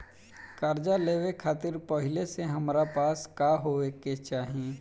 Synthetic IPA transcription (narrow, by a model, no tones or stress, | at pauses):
kaːɾd͡ʒaleːʋekʰaːt̪ɪɾpəɦɪleseɦɐmɾapaːskaːɦoeket͡ʃaːɦiẽː